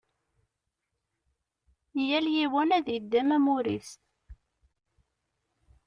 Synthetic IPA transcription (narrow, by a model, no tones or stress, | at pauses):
jæljiwænæðjəd̪ːæmæmuɾḭst̪